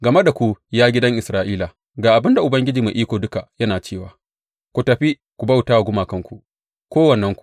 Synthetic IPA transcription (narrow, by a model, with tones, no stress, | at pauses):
ɡɐ˨me˦da˨kʷu˦jaː˦ɡʲɪ˦dɐ˦ŋʔɪ˨sɾaː˦ʔiː˦la˨ | ɡaː˨ʔa˨bɪ˦nda˨ʔʊ˨bɐ˦ŋɡʲɪ˦d͡ʒiː˨ma˨ʔiː˦kʷoː˨dʊ˦ka˨jɐ˦naː˨t͡ʃeː˦˨waː˨˦ | kʷu˨tɐ˨ɸi˦ | kʷu˨bɐ˦wtaː˦wa˨ɡʷʊ˦maː˨kɐ˦ŋkʷu˨ʔ | kʷoː˦wɐ˨nːɐ˦ŋkʷu̥˨